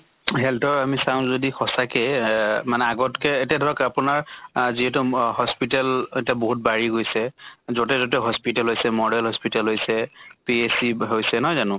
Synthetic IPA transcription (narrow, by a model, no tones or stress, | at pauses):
ɦɛltɔɹamisãw̃zodixʰɔsakɛmanɛaɡɔtkɛetiadʱɔɹɔkapʊnaɹziɦɛtuhɔspitaletiaboɦut̚baɹiɡojsɛzotɛzɔtɛɦɔspitalɦojsɛmɔɹɛlɦɔspitalɦojsɛpiesiɦojsɛnɔjzanʊ̃